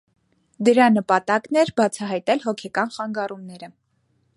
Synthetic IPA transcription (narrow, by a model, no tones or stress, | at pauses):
d̪əɾɑnəpɑt̪ɑknɛɾbɑt͡sʰɑɦɑjt̪ɛlɦɔkʰɛkɑnχɑŋɡɑrumnɛɾə